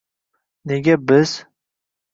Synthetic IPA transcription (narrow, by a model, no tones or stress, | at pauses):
neɡʲabɪz̥